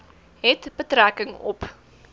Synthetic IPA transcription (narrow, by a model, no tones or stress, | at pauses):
ɦɛtb̥ətrækəŋɔ̰p